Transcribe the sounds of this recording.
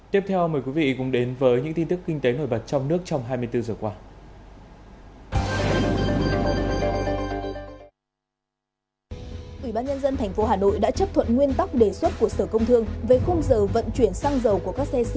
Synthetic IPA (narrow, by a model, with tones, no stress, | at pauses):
t̪i˦˥p̚t̪ʰɛ˧wməː˨˩jkwi˨˦vḭ˧˨kʊ̰˧˥ŋ͡mɗe˨˦nvəː˨˦jɲɨ̰˧˥ŋt̪i˧nt̪ɨ˦˥kːï˧ŋ̟t̪e˨˦no˨˩jɓə˨˩t̚t͡ɕɔ˧wŋ͡mnɨ˦˥ək̚t͡ɕɔ˧wŋ͡mɦaː˧jmɨ˧əjt̪ɨ˧zəː˨˩kwaː˧ | ʔwi˧˩ɓaː˧nɲə˧nzə˧nt̪ʰɛ˨˩ŋ̟fo˨˦ɦaː˨˩no̰˧˨jɗa̰ː˧˥t͡ɕə˦˥p̚t̪ʰwə̰˧˨nŋwi˧ənt̪a˦˥k̚ɗe˨˩swə˦˥t̚ku˧˩əsəː˧˩kə˧wŋ͡mt̪ʰɨ˧əŋve˨˩xə˧wŋ͡mzəː˨˩və̰˧˨nt͡ɕwi˧˩ənsaː˧ŋzə˨˩wku˧˩əkaː˦˥k̚sɛ˧s